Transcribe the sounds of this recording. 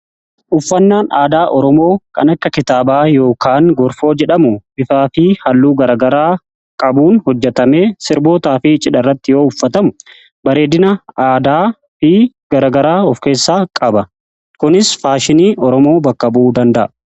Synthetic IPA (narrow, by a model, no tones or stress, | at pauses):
ʔʊfːɐnːaːnʔaːd̪aːʔɔɾɔmo̞ːkɐ̰nɐkːɐkɪt̪aːbaːjo̞ːkaːŋɡɔɾfo̞ːd͡ʒɛᶑɐmʊbɪfaːfɪhɐlːuːɡɐɾɐːɡɐɾaː | kʼɐbuːnhɔd͡ʒːɛt̪ɐme̞ːsɪɾbo̞ːt̪aːfɪt͡ʃʼɪᶑɐrːɐt̪ːɪjo̞ːʊfːɐt̪ɐmʊ | bɐɾe̞ːd̪ɪnɐaːd̪aː | fɪ | ɡ̥ɐɾɐɡɐɾaːɔfke̞ːsːaːkʼɐbɐ | kʊnɪsfaːʃɪniːʔɔɾɔmo̞ːbɐkːɐbʔuːd̪ɐnd̪ɐʔɐ